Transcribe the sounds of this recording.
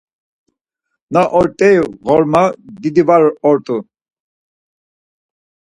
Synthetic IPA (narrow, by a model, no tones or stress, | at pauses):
naʔɔɾt̪ʼɛjɣɔɾmad̪id̪ivaɾɔɾt̪ʼu